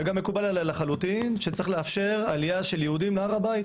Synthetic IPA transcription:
ɡamːe̞kubalalalaχalut̪inʃet͡sʁiχleafʃe̞ʁalijaʃeljeudimleaʁabajit̪

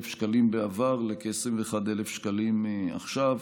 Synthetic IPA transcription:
fʃkalimbeavaʁlekesemveeχad̪elefʃkalima̰χʃav

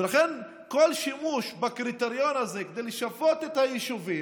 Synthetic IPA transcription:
elaχen | kolʃimuʃbakʁit̪eʁjo̞nazeked̪ejleʃafot̪et̪hajiʃuvi

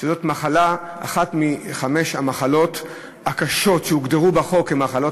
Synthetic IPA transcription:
ezo̞tmaχalaa̰χatmiχameʃhamaχalo̞t̪ | akaʃo̞tʃeuɡd̪eʁubaχo̞kemaχalo̞

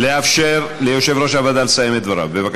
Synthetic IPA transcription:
leafʃeɾlejoʃevɾoʃavad̪alsajemet̪̚d̪vaɾa̰bevak

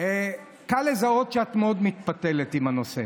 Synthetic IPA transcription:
e | kalezao̞tʃeat̪meo̞d̪mit̪pat̪elet̪imhano̞se

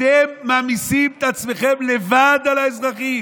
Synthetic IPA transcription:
emːaːmisimet̪at͡sme̞χemle̞vad̪alaezʁaχi

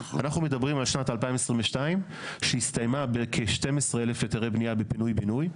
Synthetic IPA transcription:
anaχnumedabʁimalʃnatalpaimesʁimveʃtaim | ʃehist̪ajmabekʰeʃte̞mesʁeelefeteʁebniabepinujbinuj

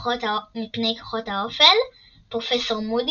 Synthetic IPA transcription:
χotamipnejko̥χo̞thaofel | pʁofeso̞ʁmud

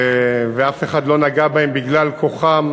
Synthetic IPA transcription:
veafe̞χad̪lo̞naɡabahembiɡlalkʰoχam

